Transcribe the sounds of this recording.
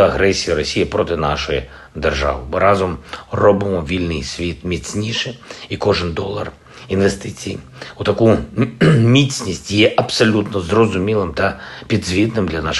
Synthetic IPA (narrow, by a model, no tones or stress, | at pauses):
ɐɣɾɛsʲijiɾɔsʲijipɾɔt̪ɪnɑʃɔji | d̪erʒɑ̰ʋɪ̰mɨɾɑzɔmrɔbɪmɔʋʲilʲnɪjsʲʋʲit̪mʲit͡sʲnʲiʃɛikɔʐɪnd̪ɔlˠːɐ̰r | inʋest̪ɪt͡sʲij | ʊt̪ɐku | mʲit͡sʲnʲisʲtʲjɛʔɐpsɔlʲut̪nɔzrɔzʊmʲilˠɪmt̪ɐpʲid̪zʲʋʲit̪nɪmd̪lʲɐnaʃ